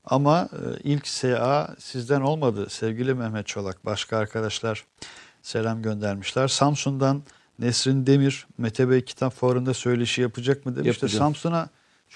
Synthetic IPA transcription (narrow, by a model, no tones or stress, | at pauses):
amaɯ̰ilʲcseaːsizd̪æno̞lˠmad̪ɯsɛvɟilʲimɛhmɛt̪̚t͡ʃʰo̞lˠak̚baʃkʰaːɾkʰad̪aʃlˠaɾ̥ | se̞lʲamɟø̞nd̪æɾmiʃlʲæɾ̥samsund̪anː | esɾind̪e̞miɾ̥met̪ʰebɛcʰi̥t̪ʰapfoɾɯnd̪asø̞jlʲeiʃijapʰɯd͡ʒak̚mɯd̪emʃt̪ɛsamsuna